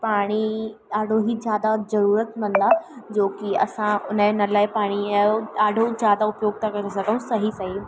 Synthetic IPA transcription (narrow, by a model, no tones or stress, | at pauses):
paːɽ̃iaːɖʱoɦizjaːd̪azɐɾuːɾət̪mɐ̃nd̪ad͡ʑoːkiɐ̰sãʊnənəlaːɪpaːɽ̃ioaːɖʱozjaːd̪aʊpjoːɡ̚t̪ʰakɐɾesɐɡʱəũsɐɦisɐɦi